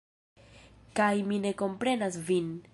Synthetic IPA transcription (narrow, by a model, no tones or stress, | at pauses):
kajmine̞ko̞mpɾe̞nasvin